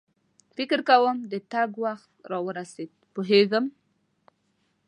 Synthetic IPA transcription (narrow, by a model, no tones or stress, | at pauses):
fɪkɪɾkawəmd̪ət̪aɡwaxt̪ɾɑwəɾased̪̚poɦeɡəm